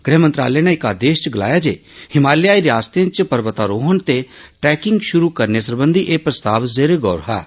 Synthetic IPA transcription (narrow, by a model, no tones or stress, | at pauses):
ɡɾɛɦːmənt̪ɾa̰ːlɛneɪkaːd̪eːʃt͡ʃɡəla̰ːjaːd͡ʒḛː | hɪmaːljaːiɾaːst̪ẽt͡ʃpəɾʋət̪aːɾoːɦənt̪eʈɛːkɪŋɡʃʊɾukəɾneːsəɾbə̃nd̪ʱiʔeːpɾəst̪aːʋzeːɾeɡɔːɾɦa̰ː